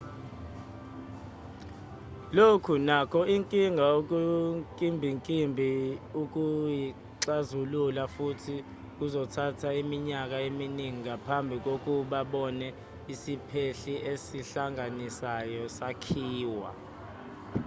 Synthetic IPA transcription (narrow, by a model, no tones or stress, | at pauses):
lokʰunakʰɔiŋkʼiŋɡʱaok̬ʼukʼimbʱiŋkʼimbʱiuk̬ʼuji | ǁazululafutʰi | k̬ʼuzɔtʰatʰaimiɲak̬aeminiŋikapʰambʱik̬ok̬ʼuɓaɓɔnɛ | isipʰeɬiʔesiɬaŋʱanisajɔsakʰiːwa̰